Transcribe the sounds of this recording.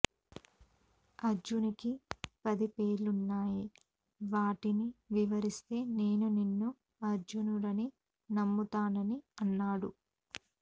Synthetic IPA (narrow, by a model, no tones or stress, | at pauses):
ɐɾd͡ʒunikipɐd̪ipeːɾlunːaːji | ʋaːʈiniʋiʋɐɾist̪e̞ːne̞ːnuninːu | ɐɾd͡ʒunulɐni | nɐmːut̪aːnɐniɐnːaːɽṵ